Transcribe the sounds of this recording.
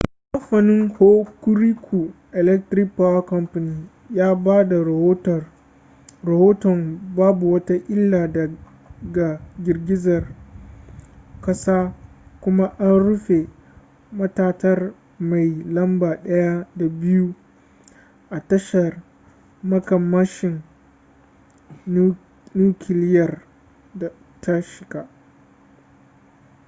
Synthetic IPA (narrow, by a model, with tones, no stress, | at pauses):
ʔkɐ˦mɸɐ˨nɪ˦ŋho˦kʊ˦ɾi˦kʰʷu˨ʔɛ˨lɛ˦k̚tɾɪ˦k̚paː˦wa˦kɐ˦mɸɐ˨niː˦ | jaː˦baː˦da˨˦˨ | ɾɐ˨hoː˦tɔ˨mbaː˦bu˨wɐ˦ta˦ʔʲɪ˦lːaː˨dɐ˨ | ɡa˨ɡʲɪ˨rɡʲɪ˦zɐ˨r | kɐ˦saː˦kʷʊ˦ma˦ʔa˦nɽʊ˦ɸe˨ | mɐ˦taː˦tɐ˦r | ma˨jlɐ˦mbaː˨ɗɐ˦ja˦da˨bɪ˦ju˦ | ʔa˨tɐ˦ʃɐ˨r | mɐ˦kɐ˨mːɐ˦ʃɪ˨ŋ | nuː˦kʲʰɪ˨lɪ˦jɐ˨r | da˨ | tʰa˦ʃɪ˨ɡa˦ʔ